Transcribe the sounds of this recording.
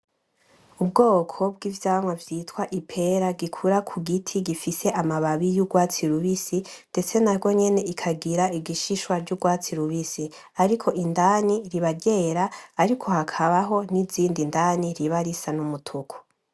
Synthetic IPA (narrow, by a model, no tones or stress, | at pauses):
ubɡo̞ːkʰo̞bɡiːvjaːmwavjiːtwaʔipʰe̞ɾaɡikʰuɾakʰuɡitʰiɡifise̞ʔamaβaβijuɡwaːt͡siɾuβisinde̞t͡se̞nabɡo̞ɲe̞ne̞ikʰaɡiɾaiɡiʃiʃwaɾɟuɡwaːt͡siɾuβisi | aɾikʰo̞ʔindaːniɾiβaɡɟe̞ːɾaːɾikʰo̞hakʰaβaɦo̞niziːndindaːniɾiβaɾisanumutʰukʰu̥